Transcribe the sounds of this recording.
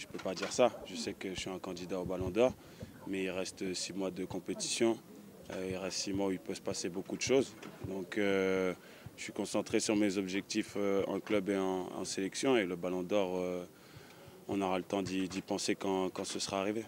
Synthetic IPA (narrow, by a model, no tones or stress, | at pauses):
ʒəpøpad̪iʁsaʒ̥əsɛkəsɥiɛ̃kɑ̃d̪id̪aobalɔ̃d̪ɔʁ | mɛilʁɛst̪simwad̪əkɔ̃pet̪i̥sjɔ̃ | øiʁasimwailpøsə̥pasebokud̪əʃozd̪ɔ̃kø | əsɥikɔ̃sɑ̃t̪χesyʁmezɔbʒɛk̚t̪iføɑ̰̃klœbeɑ̃ɑ̰̃selɛksjɔ̃eləbalɔ̃d̪ɔʁø | ɔ̰̃nɔʁalət̪ɑ̃d̪id̪ipɑ̃sekɑ̃kɑ̃səsəʁaːʁive